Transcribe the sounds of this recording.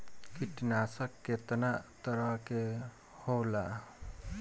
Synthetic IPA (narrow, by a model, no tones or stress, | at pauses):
kiʈnasʌkːet̪nat̪ʌɾʌɦke | hola